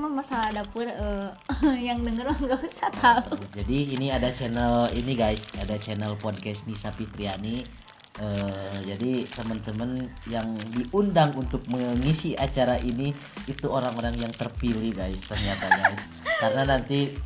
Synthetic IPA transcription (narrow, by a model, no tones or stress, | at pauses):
mamasaladapʊrə | jaŋdəŋərmaɡausat̪aud͡ʒadiːniadat͡ʃɛnəliniɡajsadat͡ʃɛnəlpɔd̚kɛsnisapit̪ɾiani | əd͡ʒadit̪əmənt̪əmənjaŋdiʔundaŋunt̪ʊk̚məŋisiat͡ʃaɾaʔiniː | t̪uoɾaŋoɾaŋjaŋt̪ərpilihɡajst̪ərɲat̪aɡajs | karnanant̪i